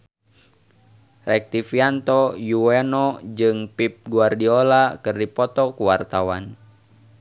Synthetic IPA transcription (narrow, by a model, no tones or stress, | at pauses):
rɛk̚t̪ifiant̪ɔjuɛnɔd͡ʒɨŋpip̚ɡuardiɔlakɨrdipɔt̪ɔkuwart̪awa̰n